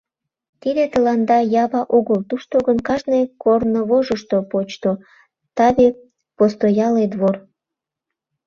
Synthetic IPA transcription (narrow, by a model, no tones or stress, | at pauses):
t̪id̪et̪əlɑnd̪ɑjɑβɑʔoɣəlt̪uʃt̪oɣənkɑʒnejkornoβoʒəʃt̪opot͡ɕt̪o | t̪ɑβe | post̪ojɑled̪βor